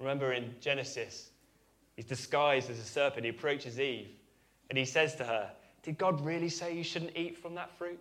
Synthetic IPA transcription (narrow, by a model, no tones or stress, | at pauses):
ɹɪmɛ̃mbə˞ɪ̃nd͡ʒɛnɨsɪs | hizdɨskaɪzdɨzəsɜˑ˞pɨ̃ntiəpʰɹ̥oʊt͡ʃɪziv | ɨ̃nisɛz̥tʰəə | d̥ɨd̚ɡɒd̚ɹɪlˠiseɪjɨʃʊdⁿn̩tiˑtfɹə̃mðətfɹʉˑt̚